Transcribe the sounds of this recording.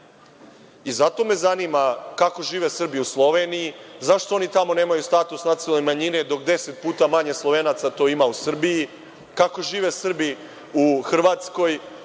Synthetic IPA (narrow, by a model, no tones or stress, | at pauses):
izat̪o̞me̞zanimakako̞ʒiːʋe̞sr̩biiuslˠo̞ʋe̞nijizaʃt̪o̞o̞nit̪amo̞ne̞ːmajust̪at̪usnat̪selnemaɲine̞d̪o̞kd̪e̞set̪̚puːt̪amaɲeslˠo̞ʋeːnat̪sat̪o̞imausr̩biji | kako̞ʒiːʋesr̩bi | uxr̩ʋat̪sko̞j